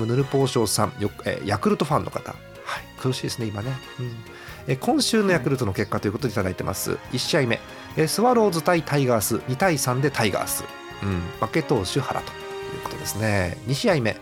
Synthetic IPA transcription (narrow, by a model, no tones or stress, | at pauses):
ɯ̟nɯ̟ɾɯ̟po̞ːɕo̞ːsãɴjoḛːjakɯ̟ɾɯ̟t̪o̞ɸãnːʔo̞̰kḁt̪a̰ | haikɯ̟ɾɯ̟ɕiːd̪e̞sɨne̞imane̞ | ɯ̟̃ɴ | ekʰõ̞ɰ̃ɕɨːno̞jakɯ̟ɾɯ̟t̪o̞no̞ke̞kːat̪o̞jɯ̟kot̪od̪et̪ad̪ait̪e̞mʔa̰sɨ̰iɕːiaime̞̰ | esɨβaɾo̞ːzɨt̪ait̪ʰaiɡaːsɨɲ̟it̪aisãnd̪e̞t̪ʰaiɡa̰ːsɨ̰ | ɯ̟̃make̞t̪o̞ːɕɨhaɾa̰t̪o̥jɯ̟ːko̥t̪o̞d̪e̞sɨne̞ɲ̟iɕiaime̞̰